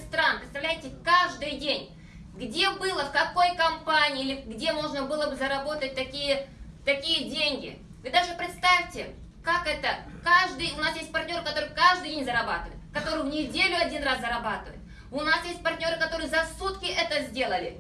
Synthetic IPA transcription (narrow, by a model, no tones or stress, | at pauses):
st̪ɾanpɾʲɪt̪st̪ɐvlʲæjtʲɪkaʐd̪ɨjdʲenʲ | ɡdʲe̞bɨlˠəfkɐko̞jkɐmpanʲɪːilʲɪɡdʲemo̞ʐnəbɨlˠəbɨzəɾɐbo̞t̪ət̚ʲt̪ɐkʲijət̪ɐkʲijədʲenʲɡʲɪ̰ | vɨd̪aʐɨpɾʲɪt̪st̪afʲtʲɪ | kakɛt̪əkaʐd̪ɨjʊnasjesʲt̚ʲpɐrtʲnʲo̞ɾɨkɐt̪oɾɨkaʐd̪ɨjdʲenʲzəɾɐbat̪ɨvə̰jʊt̪kɐt̪o̞ɾɨjvnʲɪdʲelʲʊɐdʲinraszəɾɐbat̪ɨvə̰jʊ̰t̪ | ʊnasjesʲt̚ʲpɐrtʲnʲo̞ɾɨkɐt̪o̞ɾɨjəzɐsut̪kʲɪʔɛt̪əzʲdʲe̞lˠəlʲɪ